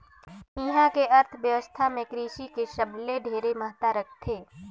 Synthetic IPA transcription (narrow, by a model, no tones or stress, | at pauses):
iːɦãkeʔɐɾt̪ʰəʋjəʋəst̪ʰamẽkɾiːʃikeʃəbleɖʱeːɾemɐɦt̪aɾəkʰt̪ʰeː